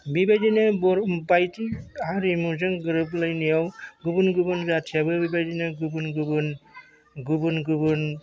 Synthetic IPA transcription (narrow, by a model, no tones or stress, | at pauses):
bibajdinɯbɔɾbajtiaɾimuzɯŋɡɯɾɯp̬lɯjnijawɡubɯnɡɯbɯnzatʰijabɯbibajdinɯɡubunɡubɯn | ɡubɯnɡubɯn